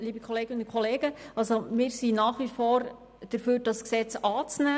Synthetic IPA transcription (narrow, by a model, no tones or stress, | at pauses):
liːbəkʰoleːɡənkʰoleːɡ̥əɑlsomɪːɾsinaːχʋifɔːɾ | d̥əɾfyːɾdɑsksɛt͡sɑːt͡snæː